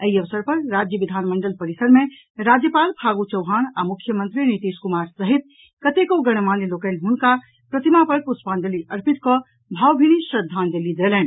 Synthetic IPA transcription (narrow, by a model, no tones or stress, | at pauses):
əiəʋsəɾpəɾɾad͡ʒjəʋid̪ʱanməɳɖəlpəɾisəɾme | ɾad͡ʒjəpalpʰaɡut͡ʃəwɦanamukʰjəmənt̪ɾinit̪iskumaɾsəɦit̪̚ | kət̪ekoɡəɽ̃manilokənɦunka | pɾət̪imapəɾpuspand̪əliʔəɾpit̪kɔ | bʱawbʱiñisɾəd̪ʱːand̪elid̪elɛn